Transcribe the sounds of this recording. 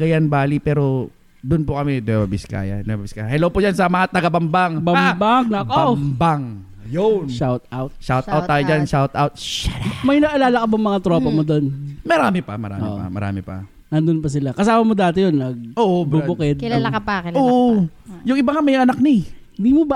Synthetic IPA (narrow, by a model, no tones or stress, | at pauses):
ɡɐjanbaːlipɛːɾo̞ | d̪ʊnpʊkɐmɛd̪wɛbɐbɪska̰ːjɐ̰d̪ɛbɐbɪskaːjɦɛlowpʊd͡ʒansɐmɐŋat̪ɐɡɐbɐmbaŋbɐmbaŋnɐʔkombaŋ | jonʃawt̪̚awt̪̚ʃawt̪awt̪ːaːjod͡ʒanʃawt̪awt̪̚mɐjnɐʔɐlaːlɐkɐbɐŋmɐŋat̪ɾo̞ːpɐmod̪onmɐɾaːmɪpɐmɐɾa̰ːɪ̰ʔpa̰mɐ̰ɾa̰ːmɪpɐ̰ | nɐnd̪onpɐs̬ɪlakɐsaːmɐmod̪aːt̪ɛjonːɐɡ̚ʔoːʔbubʊkɛd̪̚kɪlalɐkɐpɐaːkɪoːʔjʊŋɪbaŋamɐjŋɐnak̚nɪ | ɪnd̪iːmob